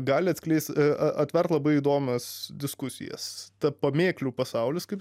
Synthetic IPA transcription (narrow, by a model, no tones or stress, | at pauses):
ɡɑːlʲɪɐt̪sʲklʲɛɪst̪ɐʔɐt̪ʲʋʲɛrt̪lˠɐbɐɪiːd̪oːmʲɛsd̪ʲɪskʊsʲɪ̰jɛ̰st̪ɐpɐmʲeːklʲuːpɐsɐʊlʲɪskɐɪp